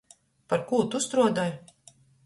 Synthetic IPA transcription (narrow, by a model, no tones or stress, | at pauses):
paɾkuːt̪ust̪ɾuɔd̪aj